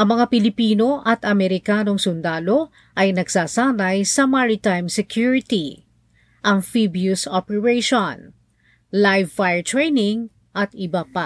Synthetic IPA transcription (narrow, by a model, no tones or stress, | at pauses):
ʔɐŋmɐŋapɪlɪpiːno̞ʔɐt̪ɐmɛɾɪkaːno̞ŋsʊnd̪aːlo̞ | ʔɐjnɐɡsaːsaːnɐjsɐmaɹɪt̪ajmsɛkjuɹɪt̪i | ʔɐŋfibjusopɛɹɛjʃon | lajvfajɛɹt̪ɹɛjnɪŋ | ʔɐt̪ɪbapa